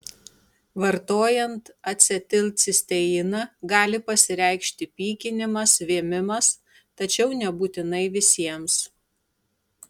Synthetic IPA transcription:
ʋɐɾt̪oːjɛnt̪ɐt̪ʲsʲɪt̪ʲɪlʲt̪sʲɪsʲt̪ʲɛɪnɐɡɑːlʲɪpɐsʲɪɾʲɛɪkʃʲt̪ʲɪpʲiːkʲɪnʲɪmɐsʋʲiɛmʲɪmɐs | t̪ɐt͡ʃʲɛʊnʲɛbuːt̪ʲɪnɐɪʋʲɪsʲiɛms

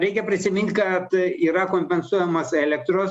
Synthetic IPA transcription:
ɾʲɛɪkʲɛpʲɾʲɪsʲɪmʲɪnʲt̪ʲkɐt̪iːɾɐkoːmʲpʲɛnsuɔjɛmɐsɛːlʲɛkt̪ɾoːs

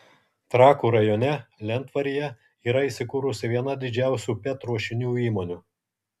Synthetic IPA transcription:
t̪ɾɑːkuːɾɐjɔːnʲɛlʲɛnˑt̪ʋɐɾʲijɛ | iːɾɐiːˑsʲɪkuːɾʊsʲɪʋʲiɛnɐd̪ʲɪd͡ʒʲæˑʊsʲuːpʲɛt̪ɾuɔʃʲɪnʲuːiːmoːnʲuː

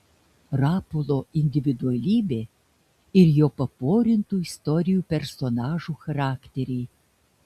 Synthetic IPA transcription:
ɾɑːpolˠoɪnʲd̪ʲɪʋʲɪd̪ʊɐlʲiːbʲeː | ɪɾjoːpɐpoːɾʲɪnt̪uːɪst̪ɔɾʲɪjuːpʲɛɾsɔnɑːʒuːxɐɾɑːkt̪ʲeɾʲɛj

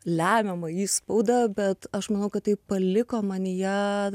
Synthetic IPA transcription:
lʲæːmʲɛmɐiːspɐʊd̪ɐbʲɛt̪ɐʃmɐnɐʊkɐt̪tɐɪpɐlʲɪkoːmɐnʲjæ

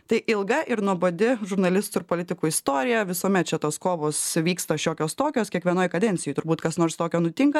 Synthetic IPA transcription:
t̪ɐɪʔɪlˠɡɐʔɪɾnuɔboːd̪ʲɪʒʊɾnɐlʲɪst̪ʊɪɾpoːlʲɪt̪ʲɪkuːɪst̪oːɾʲɪjɛʋʲɪsoːmʲɛt̪̚t͡ʃʲɛt̪oːskoːʋoːsʋʲiːkst̪ɐʃʲoːkʲoːst̪oːkʲoːskʲiɛkʋʲiɛnoːjkɐd̪ʲɛnʲtsʲɪjuːt̪ʊɾbuːt̪kɐsnoːɾst̪oːkʲoːnʊt̪ʲɪŋkɐ

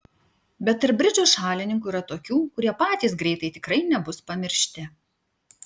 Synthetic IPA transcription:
bʲɛt̪ɪɾbʲɾʲɪd͡ʒʲoːʃɑːlʲɪnʲɪŋkuiːɾɐt̪oːkʲuːkʊɾʲiɛpɑːt̪ʲiːsɡɾʲɛɪt̪ɐɪt̪ʲɪkɾɐɪnʲɛbʊspɐmʲɪɾʲʃʲt̪ʲɪ

